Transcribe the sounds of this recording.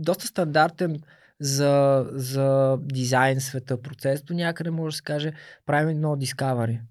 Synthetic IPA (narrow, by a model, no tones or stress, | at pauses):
d̪ɔst̪ə̥st̪ɐnd̪aɾt̪ɛn | zɐzɐd̪izajnsvɛt̪ɤpɾot̪sɛsd̪onʲakəd̪ɛmɔʒɛd̪əsɛ̥kaʒɛpɾavimɛd̪nɔd̪iskavɐɾi